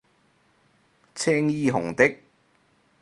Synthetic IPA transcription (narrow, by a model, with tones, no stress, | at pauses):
t͡sʰɛː˥ŋjiː˥ɦʊ̰˨˩ŋt̪ɪ˥k̚